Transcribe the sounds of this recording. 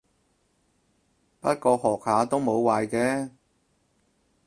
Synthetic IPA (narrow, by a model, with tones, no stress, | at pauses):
pɐ˥t̚kɔː˧hɔː˨˩k̚haː˨˧t̪o˥wmo˨˧wwaː˨˧jkɛː˨˧